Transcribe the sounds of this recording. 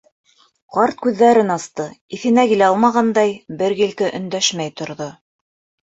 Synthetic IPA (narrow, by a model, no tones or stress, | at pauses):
qɑɾt̪̚kʉðːæɾɘnɑst̪ɤiθɘ̆nækilæɑlˠmɑʁɑnd̪ɑjbɘɾɡilkɘʔɵ̆nd̪æʃmæjt̪ŏɾðo